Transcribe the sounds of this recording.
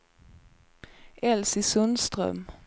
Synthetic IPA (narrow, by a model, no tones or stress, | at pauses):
ʔɛlsɪsɵnst̪ɾœ̰m